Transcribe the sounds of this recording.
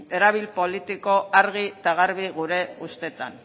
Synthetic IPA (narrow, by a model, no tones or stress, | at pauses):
e̞ɾaβ̞ilpo̞lit̪iko̞aɾɣ̞it̪aɣaɾβiɣuɾe̞ust̪e̞t̪a̰n